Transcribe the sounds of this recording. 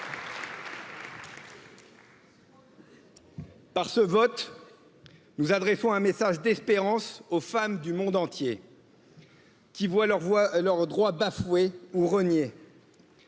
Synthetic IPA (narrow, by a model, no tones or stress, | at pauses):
paʁsəvɔt̪ | nuzad̪ʁɛsɔ̃ɛ̃mesaʒd̪ɛspeʁɑ̃sofamd̪ymɔ̃d̪ɑ̃t̪je | kʲivwalʁvwalœʁd̪ʁwabafweuʁənje